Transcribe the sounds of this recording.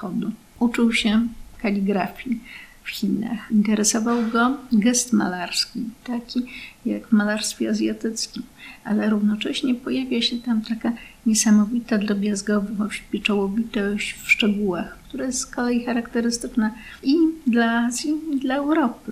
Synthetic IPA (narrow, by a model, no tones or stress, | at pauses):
xɔd̪u | ʔut͡ʂuwɕɛkalʲiɡɾafʲjifxʲina̰xint̪ɛɾɛsɔvawɡɔɡɛst̪ma̰laɾskʲit̪akʲijaɡvmalaɾst̪fʲjɛazʲjat̪ɘt̪skʲimʔalɛɾuvnɔt͡ʂɛɕɲɛpɔjavʲjaɕɛt̪amt̪akaɲɛsamɔvʲit̪ad̪ɾɔbʲjazɡɔvɘɔɕpʲjɛt͡ʂɔwɔvʲit̪ɔɕt͡ɕfʂt͡ʂɛɡuwaxkt̪uɾajɛskɔlɛjixaɾakt̪ɛɾɘst̪ɘt͡ʂna | id̪laazʲjid̪laɛwɾɔpɘ